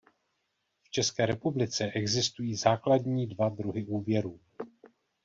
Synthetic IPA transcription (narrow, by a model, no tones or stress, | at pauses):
ft͡ʃɛskɛːɾɛpublɪt͡sɛʔɛɡzɪst̪ujiːzaːkladɲiːdvadɾuɦɪʔuːvjɛɾuː